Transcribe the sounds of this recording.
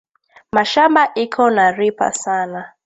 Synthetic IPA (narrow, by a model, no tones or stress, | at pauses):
maʃambaʔikʰɔnaɾipa̰sana